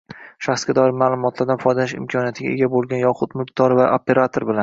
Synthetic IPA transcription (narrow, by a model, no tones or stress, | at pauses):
ʃaχsɡʲad̪ɒɪɾmaːlˠʊmɒt̪ʰlaɾd̪anfɒjd̪anɪʃɪ̰mkʰɒnijat̪ʰɪɡʲa̰e̞ɡʲabolˠɡʲanjɒqʰʊt̪mʊkt̪ʰɒɾɪvaʔope̞ɾat̪ʰoɾbɪlan